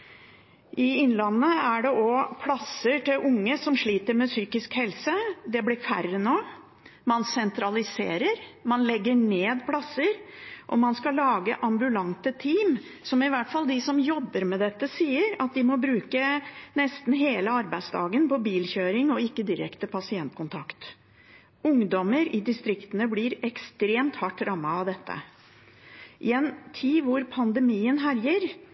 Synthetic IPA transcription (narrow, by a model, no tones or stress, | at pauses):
ʔɪɪnlɑnːəæɖɛʔɔpʰlɑsəʈɪlʔʊŋːəsɔmʂɭiːt̪əɾmɛsyːkɪskhɛlsəd̪ɛblɪɾfæ̰rənoː | mɑnsɛnt̪ɾɑlɪsḛːɾəɾmɑnlɛɡːəɳeːd̪pʰlɑsːəɾʔɔ̰mɑnskɑlɑːɡə̰ʔɑmbʉlɑŋt̪ət̪ʰiːm | sɔmɪʋæʈfɑld̪ɪsɔmjɔbːəɾmɛd̪ɛt̪ːəsiːəɾɑt̪̚d̪ɪmɔbɾʉːkənɛst̪n̩ɦeːləɑɾbæɪsd̪ɑ̰ːɡənpʰɔbiːlçøːɾɪŋɔɪkːəd̪ɪɾɛ̰kt̪əpʰɑsɪɛnt̪̚kʊnt̪ʰɑkt̪ | ʊŋd̪ɔməɾɪd̪ɪst̪ɾɪkt̪ənəblɪɾɛkst̪ɾeːmt̪hɑʈːɾɑmːɑɑʋd̪ɛt̪ʰːə̰ | ʔɪɛnt̪ʰiːʋʊɾpʰɑnd̪əmiːənɦæɾjəɾ